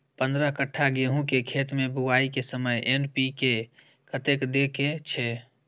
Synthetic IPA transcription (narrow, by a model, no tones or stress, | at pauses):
pənd̪ɾəɦkəʈʰːaɡeɦũkekʰet̪mebuʋaikesəməjʔenpike | kət̪ekd̪eket͡ʃʰɛ